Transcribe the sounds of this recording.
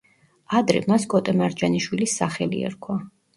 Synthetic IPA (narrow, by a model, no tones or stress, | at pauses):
ad̪ɾɛ̰maskʼɔt̪ʼɛmaɾd͡ʒaniʃwilisːaχɛlḭɛ̰ɾkʰwa